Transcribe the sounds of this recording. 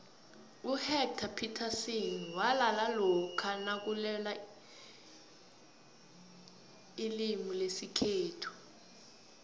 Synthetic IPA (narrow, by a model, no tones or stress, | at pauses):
uhɛk̚tʰapʰitʰasiniwalalalɔkʰanak̬ulɛla | ilimilesikʰeːtʰu̥